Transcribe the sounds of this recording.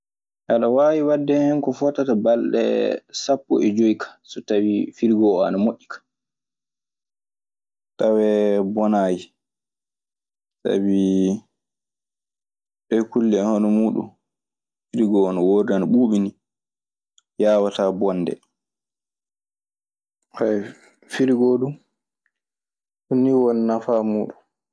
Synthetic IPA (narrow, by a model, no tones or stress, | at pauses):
ʔaɗɔwaːwiwadːɛhɛnkɔfɔtːatabalɗɛ̰sapːɔ̰ʔɛd͡ʒoikʰḁsɔtawifiɾɡɔɔa̰namoʔːikʰḁ | tawɛbɔnaːji | sa̰bi | ɓɛkulːihanɔmuːɗṵm | fiɾiɡɔnɔwoːɾdanaɓuːɓini | jaːwatabɔnːdɛ̰ | haj | fiɾiɡɔɗum | sunːiwɔnːafamuːɗum